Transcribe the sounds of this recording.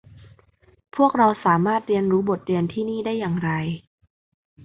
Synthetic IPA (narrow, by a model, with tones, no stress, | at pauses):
pʰu˥˩ək̚ɾa˧wsaː˩˦maː˥˩t̪̚ɾi˧ənɾuː˦˥bo˨˩t̪̚ɾi˧ənt̪ʰiː˥˩niː˥˩daː˥˩jːaː˨˩ŋɾa˧j